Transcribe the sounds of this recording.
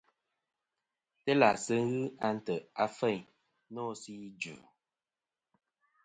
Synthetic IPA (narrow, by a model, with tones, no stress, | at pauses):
te˦la˨sə˦ŋ˦ɣɨ˦a˦n̩˦tə˨a˦fə˦˨ɲ | nɔ˦˨si˦d͡ʒʉ̰˨